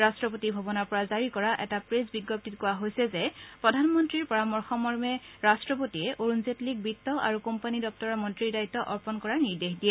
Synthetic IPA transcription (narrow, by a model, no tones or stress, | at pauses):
ɹastɹɔp̬otibʱɔbɔnaɹpɔɹazaɹikɔɹaʔɛtapɹesbiɡːɔp̚titkʊwaɦojsɛzɛpɹɔdʱanmɔntɹiɹpɔɹamɔɹxɔmɔɹmɛɹastɹɔpotiɛʔoɹunzetlik̚bitːɔʔa̰ɹukɔmpanidɔp̚tɔɹɔmɔntɹiɹdajtːɔʔɔɹpɔnkɔɹaɹniɹdexdijɛ